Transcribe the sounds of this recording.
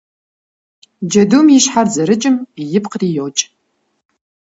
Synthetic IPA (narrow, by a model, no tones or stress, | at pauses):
d͡ʒɐdumjɪɕħarzɐɾɨt͡ʃʼɨmjɪpqriːjowt͡ʃʼ